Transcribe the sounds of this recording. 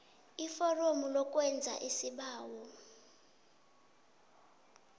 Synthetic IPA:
ifɔromulɔk̬ʼwɛnd͡zʱa̰ʔisiɓaːwɔ

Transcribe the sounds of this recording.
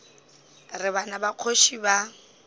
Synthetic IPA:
rɪβanabaq͡χʰoʃiba

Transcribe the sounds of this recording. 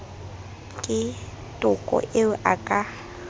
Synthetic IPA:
kʼɪ | tʼʊkʼɔ̰ʔɪʊʔakʼa

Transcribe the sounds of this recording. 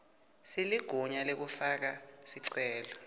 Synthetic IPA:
siliɡ̥ʱuɲalek̬ufak̬asiǀɛːlɔ

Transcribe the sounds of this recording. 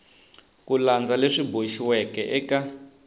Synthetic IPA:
kuland͡zaleʂiboʃiwɛkɛʔɛka

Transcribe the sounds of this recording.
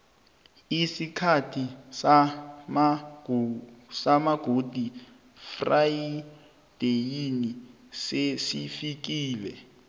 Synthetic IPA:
isikʰatʰisama | samaɡ̥ʱod̥ʱi | fraji | d̥ejini | sesifik̬iːlɛ

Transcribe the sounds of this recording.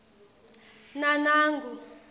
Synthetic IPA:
nanaːŋɡʱu

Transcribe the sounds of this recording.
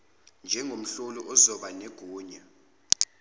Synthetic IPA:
nd͡ʒʱɛŋʱom̩ɬɔlɔʔɔzɔɓanɛɡ̥ʱuːɲa

